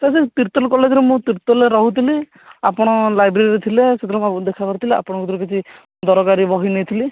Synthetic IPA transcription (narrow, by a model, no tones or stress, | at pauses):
t̪asit̪iɾt̪ɔlkɔled͡ʒɔɾemũt̪iɾt̪ɔleɾɔɦut̪ʰili | apɔɽ̃ɔlajbɾeɾiɾet̪ʰileset̪ʰiɾɔkad̪ekʰakɔɾit̪ʰileʔa̰pɔɽ̃ɔ̃kut̪ɔɾɔkit͡ʃʰi | d̪ɔɾɔɡaɾibɔɦinejt̪ʰili